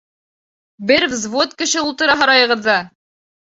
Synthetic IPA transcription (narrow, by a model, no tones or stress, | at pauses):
bɘɾvzvot̪̚kɘ̆ʃɘulˠt̪ɤ̆ɾɑɦɑɾɑjɤ̆ʁɤ̆ðːɑ